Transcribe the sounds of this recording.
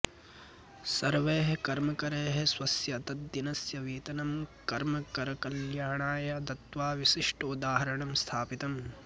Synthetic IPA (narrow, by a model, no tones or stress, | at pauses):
sɐɾʋeːɦɐkɐɾmɐkɐɾeːɦeswɐsjɐːt̪ɐt̪̚d̪inɐsjɐʋiːt̪ɐnɐmkɐɾmɐkɐɾɐkɐljaːɳaːjɐt̪ɐt̪ʋaːʋisiʂʈud̪aːɦɐɾɐɳɐmst̪ʰaːpit̪ɐm